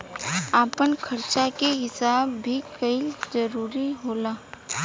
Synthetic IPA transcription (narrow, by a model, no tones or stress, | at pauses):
aːpənkʰɐɾt͡ʃakeɦɪsaːbːʱikəɪlzəɾuːɾiɦoːlaː